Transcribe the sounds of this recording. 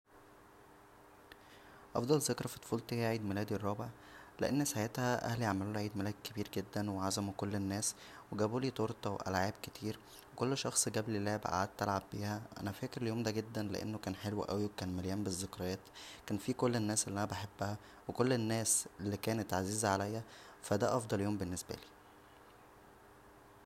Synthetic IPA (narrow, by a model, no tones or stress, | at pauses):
ʔɑ̰fd̪ˤɑlzekɾˤɑfi̥t̪ˤo̥fuːlt̪ehjæʕiːd̪melæːd̪irˤːɑːbeʕ | lḛʔenːæshajæːt̪hæʔæ̰hliʕamæluʕiːd̪mælæːd̪̚kebiːɾɡed̪ːænweʕazæmukolːenːæːs | weɡæbuːliːt̪ˤoɾˤt̪ˤɑweʔæ̰lʕaːb̚ket̪ʰiːɾ | wekolːʃɑxsˤɡæblilæːbæ̰ʔa̰ʕad̪̚t̪ːælʕabːiːhæʔæ̰næfæːkeɾeljoːmd̪æɡed̪ːænlḛʔḛnːokæːnħelwæ̰ʔæ̰wiwekæːnmeljæːmbezːekɾˤɑjæːt̪kæːnfiːkolːenːæːsʔelːiʔænæbeħebːæhæ | wekolːenːæːselːikæːnet̪ʕaziːzæʕalæjːæ | fæd̪æʔɑfd̪ˤɑljoːmbenːesbæ̰liː